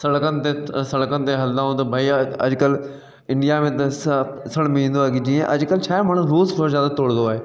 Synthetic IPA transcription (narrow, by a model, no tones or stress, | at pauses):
sɐɽkənɪ̆t̪esɐɽkənɪ̆t̪eɦɐld̪ãɦõt̪ɐbʱaːiɐ̰d͡ʒkəl | ɪ̃ɳɖijamẽt̪ɐs | sɐɽ̃mĩnd̪oaɡid͡ʑĩːẽʔɐ̰d͡ʒkəlt͡ʃʰɛːmaːɳ̃ʊɾuːsfoɾzjaːd̪at̪oːɽ̃nd̪oaːɦeː